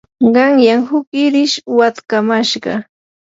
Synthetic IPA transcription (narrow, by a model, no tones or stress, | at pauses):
ɢɑŋjaŋhʊkɪɾɪʃwat̪kamaʃɢɑ̰